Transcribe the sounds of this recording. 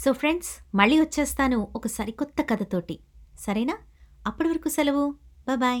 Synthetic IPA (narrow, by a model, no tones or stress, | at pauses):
so̞ːpʰɾe̞ɳɖsmɐɭːiːʋɐt͡ʃːeːst̪aːnuɔkɐsɐɾikɔt̪ːɐkɐd̪ɐt̪o̞ːʈisɐɾɐjnaːɐpːuɽiʋɐɾɐkusɛlɐʋubajbaːj